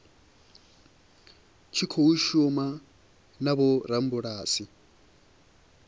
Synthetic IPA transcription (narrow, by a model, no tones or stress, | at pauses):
t͡ʃʰikʰouʃuma | nabɔɾam̩buɺaːsi